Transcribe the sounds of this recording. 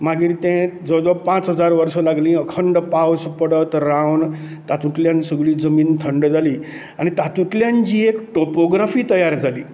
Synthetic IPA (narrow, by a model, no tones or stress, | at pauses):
maɡiːɾt̪ẽd͡zəd͡zəpãt͡sɦəd͡zaɾʋəɾsəlaɡlĩəkʰəɳɖpawspəɽət̪ɾawn | t̪at̪ũt̪ljãnsəɡɭiːd͡zəmiːnt̪ʰəɳɖd͡zʱaliː | añit̪at̪ũt̪ljaɲt͡ɕiːekʈopoɡɾafiːt̪əjaɾd͡zʱaliː